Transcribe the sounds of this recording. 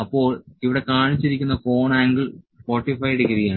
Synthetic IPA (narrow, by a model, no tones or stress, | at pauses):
ɐpːo̞ːɭiʋiɽe̞kaːɳit͡ɕːiɾikʲːunːɐko̞ːɳaːŋɡiɭ | po̞ːʈːifɐjɽekɐɾijaːɳɨ